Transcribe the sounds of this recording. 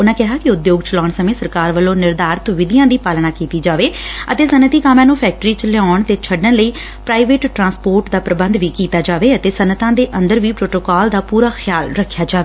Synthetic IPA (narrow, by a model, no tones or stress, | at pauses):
ʊnãːkɛɦaːkɪʊd̪joːɡt͡ʃəlaːɳsəmẽːsəɾkaːɾʋəlõːnɪɾd̪aːɾt̪ʋɪd̪ɪjãːd̪iːpaːlnaːkiːt̪iːd͡ʒaːʋeːət̪eːsənət̪iːkaːmãːnũːpʰɛːk̚ʈɾiːt͡ʃəlaːɳt̪eːt͡ʃʰəɖənləiː | pɾaːiʋeːʈːɾãːspoːɾʈd̪aːpɾəbənd̪ʋiːkiːt̪aːd͡ʒaːʋeːət̪eːsənət̪ãːd̪eːʔə̃nd̪əɾʋiːpɾoːʈoːkaːld̪aːpuːɾaːxʰɪjaːlɾəkʰːjaːd͡ʒaːʋeː